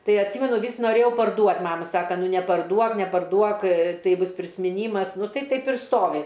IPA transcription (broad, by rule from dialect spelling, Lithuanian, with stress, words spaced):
ˈtɐɪ ɐtʲˈsʲiːmʲɛnʊ ˈʋʲiːs noːˈrʲeːjɛʊ pɐrˈduɔtʲ ˈmɑːmɐ ˈsɑːkɐ ˈnʊ nʲɛpɐrˈduɔk nʲɛpɐrˈduɔk ˈtɐɪ ˈbʊs pʲrʲɪsʲmʲɪˈnʲiːmɐs ˈnʊ ˈtɐɪ ˈtɐɪp ɪr ˈstoːʋʲɪ